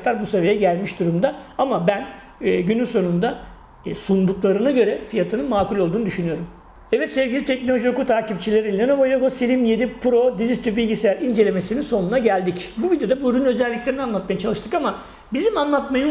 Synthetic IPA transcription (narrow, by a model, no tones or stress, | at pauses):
lˠaɾbusevejɛɟælʲmiʃd̪uɾumd̪aamabænː | ɟynynso̞nund̪a | sund̪uklˠaɾɯnaɟø̞ɾɛfijat̪ʰɯnɯnmaːkulʲo̞lˠd̪uːnud̪yʃynyjo̞ɾum | ɛvɛt̪sɛvɟʲilʲit̪ʰɛc̚nolʲo̞ʒiokut̪ʰaːcip̚t͡ʃʰilʲe̞ɾilʲenobojoɡosilʲimjed̪ipʰuɾo̞d̪izit̪ʰybilʲɟisejæɾind͡ʒe̞lʲe̞me̞sininso̞nunaɟælʲd̪icbuvid̪jo̞d̪abuɾynø̞zɛlʲːiclʲeɾinanlˠat̪majat͡ʃʰalˠɯʃt̪ʰɯkama | bizimanlˠat̪majɯ